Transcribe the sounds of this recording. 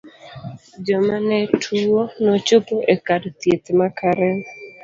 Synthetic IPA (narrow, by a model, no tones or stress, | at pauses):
d͡ʒɔmanɛtʰuonɔt͡ʃʊpoʔekadt̪jet̪makʰaɾɛ